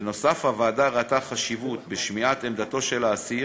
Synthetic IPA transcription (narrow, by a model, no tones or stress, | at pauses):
no̞safhavaːd̪aʁat̪aχaʃivut̪beʃmiat̪emd̪at̪o̞ʃe̞laːsi